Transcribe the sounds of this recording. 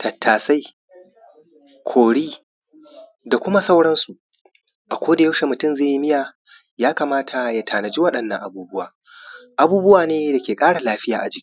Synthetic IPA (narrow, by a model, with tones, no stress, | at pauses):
tʰɐ˨tʰːaː˨sa˦j | kʷʰoː˨ɽiː˦ | da˨kʷʊ˦ma˦sa˦wɽɐ˦nsu˨ʔ | ʔa˨kʷoː˦da˨ja˦wʃe˨mʊ˨tʊ˦mzeː˦˨ji˦mɪ˦jaː˨ | jaː˦kaː˨maː˦tʰa˨ja˨tʰaː˨nɐ˨d͡ʒi˦wɐ˦ɗɐ˨nːɐ̰˨ŋʔa˨buː˦bʊ˦wa̰ː˨ | ʔa˨buː˦bʊ˦waː˨neː˦da˨kʲeː˨kʼaː˦ɽa˨laː˦ɸɪ˦jaː˨ʔa̰˨d͡ʒi˦ʔ